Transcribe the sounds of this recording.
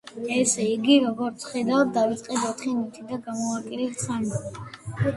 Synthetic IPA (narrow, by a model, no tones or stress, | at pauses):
ɛsɛiɡiɾɔɡɔɾt̪sʰχɛd̪avd̪̚d̪avit̪sʼqʼɛd̪ɔt̪ʰχinit̪ʰid̪aɡamɔakʼilit̪samɛ